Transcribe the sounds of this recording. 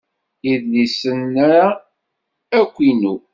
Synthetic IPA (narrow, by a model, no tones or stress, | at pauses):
iðnisənːaɾa | ækʷːinu